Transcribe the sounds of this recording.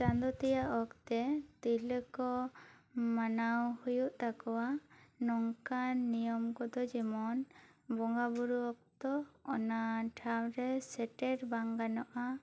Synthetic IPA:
t͡ʃand̪ɔt̪ijaʔɔkt̪ɛt̪iləkɔ | manawhujuʔt̪akɔwanɔŋkanːijɔmkɔd̪ɔd͡ʒimɔnbɔŋɡabuɾuɔk̚t̪ɔːnaʈʰawɾɛsɛʈɛɾbaŋɡanɔʔa

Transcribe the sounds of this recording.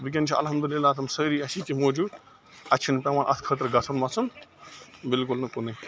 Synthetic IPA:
bik̬ʲɐnt͡ʃʰiʔɐ̰lɦɐmd̪ulilːaːt̪ʰɐmsəɾiɐsikimoːd͡ʒuːd̪ | ɐt͡ʃʰinpʲɐ̃maːnʔɐ̰t̪ʰkʰət̪ɐɾɡɐsʰɐnmɐt͡sʰun | bɪlkʊlnɐkune

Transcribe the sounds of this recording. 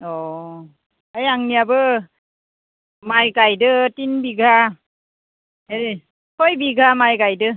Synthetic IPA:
ɔ | ajaŋniabɯ | majkajdɯtinbiɡʱa | heɾi | kʰɔjbiɡʱamajkajdɯ

